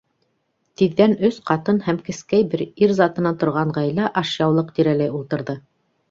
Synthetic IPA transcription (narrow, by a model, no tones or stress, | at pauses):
t̪iðːænɵsqɑt̪ɤnhæmkɘ̆skæjbɘɾiɾzɑt̪ɤ̆nɑt̪ŏɾʁɑɴʁɑjlæʔɑʃjɑwlˠɤq̚t̪iɾælæjulˠt̪ɤ̆ɾðɤ